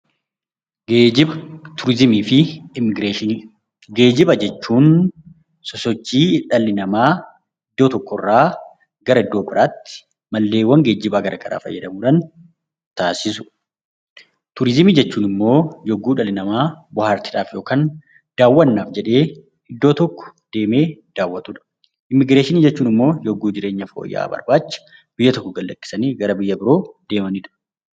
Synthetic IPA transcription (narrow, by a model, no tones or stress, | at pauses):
ɪt̪ʰʊɾɪzɪmiːfɪɪmɪɡɾeːʃɪ | ɡe̞ːd͡ʒɪbɐd͡ʒɛt͡ʃːuːn | sɔsɔt͡ʃːiːᶑɐlːɪnɐmaː | ɪd̪ːoːt̪ɔkːɔrːaː | ɡɐɾɐɪd̪ːo̞ːpɪɾaːt̪ːɪ̥ | mɐlːe̞ːwːɐŋɡe̞ːd͡ʒɪbaːɡɐɾʔɐkɐɾʔa̰ːfɐ̰jːɐd̪ɐmuːᶑaːn | t̪aːsɪsʊ̥ | t̪ʊɾɪzɪmid͡ʒɛt͡ʃːuːnɪmːo̞ːjɔɡːuːᶑɐlɪnɐmaːbʊhaːɾt̪iːᶑaːfjo̞ːkaːn | d̪̥aːwːɐnːaːfd͡ʒɛᶑe̞ː | ɪd̪ːo̞ːt̪ɔkːɔ̥d̪̥e̞ːme̞ːd̪̥aːwːɐt̪ʼuᶑɐ̥ | ɪmːɪɡɾeːʃɪniːd͡ʒɛt͡ʃːuːnɪmːo̞ːjɔɡːuːd͡ʒɪɾe̞ːɲːɐfo̰ːjːa̰ːbɐ̰ɾbaːt͡ʃːɐ̥ | b̥ɪjːɐt̪ɔkːɔɡɐlːɐkʼːɪ̥sɐniːɡɐɾɐbɪjːɐbɪɾo̞ːd̪eːmɐniːᶑɐ̥